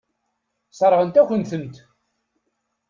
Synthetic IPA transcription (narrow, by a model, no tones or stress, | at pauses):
sˤɾˤʁənt̪æçʷənθənt̪